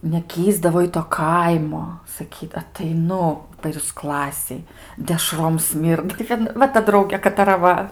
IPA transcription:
nʲɛˈkʲiːzdɐʋoː ɪ ˈtoː ˈkɐɪmoː sɐˈkʲiːt ɐtʲɛɪˈnʊ pʲɛr juːs ˈklˠɑːsʲeːj dʲɛˈʃroːm ˈsʲmʲiːrdɐ tɐɪ ˈkɐt ˈʋɐ tɐ ˈdrɐʊɡʲeː kɐtɐˈrɐ ˈʋɐ

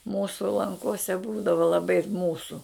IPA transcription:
ˈmuːsʊ lˠɐŋˈkoːsʲɛ ˈbuːdɐʋɐ lˠɐˈbɐɪ ˈmuːsʊ

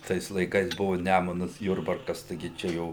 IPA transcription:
ˈtɐɪs lˠɐɪˈkɐɪs ˈbʊʋʊ ˈnʲæmʊnɐs ˈjʊrbɐrkɐs tɐɪˈɡʲɪ ˈt͡ʃʲɛ ˈjɛʊ

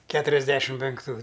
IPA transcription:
ˈkʲæːtʊrʲɛzʲˌdʲæːʃʲɪm pʲɛŋkˈtuː

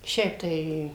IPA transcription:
ˈʃʲɛɪp tɐɪ

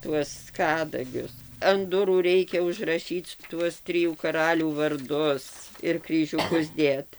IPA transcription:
ˈtuɔs ˈkɑːdɐɡʲʊs ɐn ˈdʊruː ˈrʲɛɪkʲɛ ʊʒrɐˈʃʲiːt͡s ˈtuɔs ˈtʲrʲɪjuː ˈkɑːrɐlʲuː ʋɐrˈdʊs ɪr krʲiːʒʲʊˈkʊs ˈdʲeːt

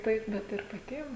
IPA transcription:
ˈtɐɪp ˈbʲɛt ɪr pɐˈtʲiɛm

